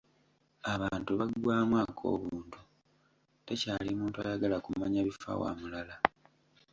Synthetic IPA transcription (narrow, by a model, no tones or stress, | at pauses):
aβaːntuβaɡwaːmwaːkʰo̞̰ːβuːntu | te̞caːlimuːntua̰jaɡalakumaɲaβifa̰wa̰mulala